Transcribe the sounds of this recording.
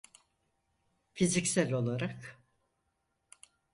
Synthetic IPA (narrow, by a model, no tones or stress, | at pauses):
fizicsælʲo̞lˠaɾak